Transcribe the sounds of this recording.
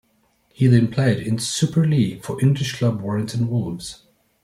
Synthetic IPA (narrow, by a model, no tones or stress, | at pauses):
hizɨ̃npʰl̥eɪɾɪ̃nsʉpʰə˞lifə˞ʔɪ̃ŋɡlɪʃkʰl̥ʌbwɔɹɪ̃ŋtʰə̃n̩wʊlˠmz̥